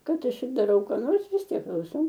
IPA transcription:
ˈkɐt ˈɐʃ ɪr dɐˈrɐʊ kɑː ˈnoːrs ʋʲɪs ˈtʲiɛk klˠɐʊˈsɐʊ

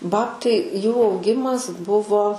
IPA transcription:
ˈbɑːptɐɪ ˈjuː ɐʊˈɡʲɪmɐs ˈbʊʋoː

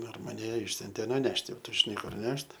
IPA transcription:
ˈdɐr mɐˈnʲɛ ˈɪʃʲsʲʊnʲtʲeː nʊˈnʲæːʃʲtʲɪ ˈtʊ ʒʲɪˈnɐɪ ˈkʊr ˈnʲɛʃt

